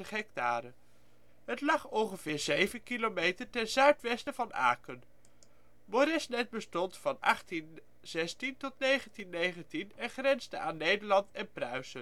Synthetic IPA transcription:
əχɦɛk̚taːɾə | ɦətlɑχɔŋχəv̥ɪːɹzejvənkilomejtəɹtɛnzœɥtʋɛstəvɑna̰ːkən | moɾɛsnɛt̚bəstɔntfɑnɑ̰χtin | z̥ɛstintɔtnejχəntinːejχəntinɛnχrɛnzdəʔaːnːejdəɹlɑntɛnprœɥzə

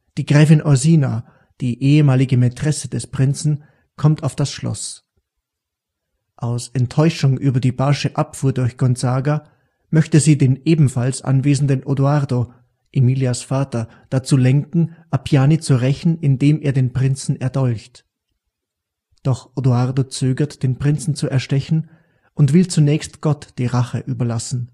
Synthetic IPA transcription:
d̥iːɡʁɛːfɪnʔɔziːna | d̥iːʔeːəmaːlɪɡəmɛtʁ̥ɛsəd̥ɛspʁ̥ɪnt͡sn̩ | kʰɔmtaʊfd̥asʃlɔ̰s | ʔaʊsɛntʰːɔʏʃʊŋʔyːbɐdiːbaʃəʔapfuːɐdʊɐçɡ̥ɔnzaːɡa | mœçtəziːdeːmʔeːbm̩falsʔa̰nveːzn̩dənʔoduaʁdo | ʔemiːljasfaːtɐ | d̥at͡suːlɛŋkŋ̩ʔapʰjaːnit͡suʁɛçn̩ɪndeːmeːɐdeːnpʁ̥ɪnt͡sn̩ɛɐdɔlçt | d̥ɔχʔoduaʁdot͡søːɡɐtd̥eːnpʁ̥ɪnt͡sn̩t͡suɛɐʃtɛçn̩ | ʔʊntv̥ɪlt͡sunɛːçstɡ̥ɔtd̥iːʁaχə̰ʔyːbɐlasn̩

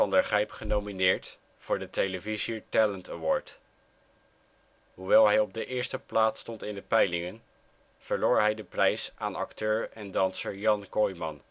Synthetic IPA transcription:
ɑndəɹχɛjpχənowminɪːɹt | vʊːɹdətejləvizitɛləntəwɔːɹt | ɦuʋɛlˠɦɛjɔb̚dəʔɪːɹstəplaːtstɔntɪndəpɛjlɪŋən | v̥əɹloːɹɦɛjdəprɛjsaːnɑ̰ktøːɹɛndɑnsəɹjɑnkɔjmɑ̰n

